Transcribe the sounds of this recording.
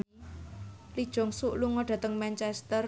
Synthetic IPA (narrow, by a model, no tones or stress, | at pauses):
lid̥ʒ̥ɔ̤ŋsuʔluŋɔɖ̥a̤t̪əŋmɛnt͡ʃɛst̪ər